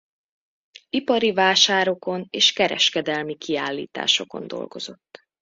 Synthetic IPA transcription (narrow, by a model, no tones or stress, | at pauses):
ipɒɾivaːʃaːɾo̞ko̞neːʃkɛɾɛ̰ʃkɛd̪ɛlmikʰiaːlːḭːt̪a̰ːʃo̞ko̞̰nd̪o̞̰lɡo̞̰zo̞t̪ː